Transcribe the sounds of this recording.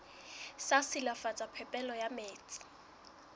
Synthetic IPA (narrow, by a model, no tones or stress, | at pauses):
sasɪlafat͡sʼapʰɛpʼɛlɔjameːt͡sʼɪ̥